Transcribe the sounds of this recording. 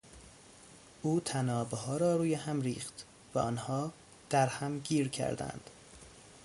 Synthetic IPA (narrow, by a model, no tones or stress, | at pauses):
ʔuːt̪ʰænɒːbeɦɒːɾɒːɾuːjehæmɾiːxt̪ | væʔɒːnhɒː | d̪̥æɾhæmɟiːɾcʰæ̰ɾd̪æ̰nd̪̥